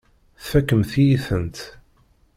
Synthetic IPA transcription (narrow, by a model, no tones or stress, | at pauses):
θfækːəmθijiθənt̪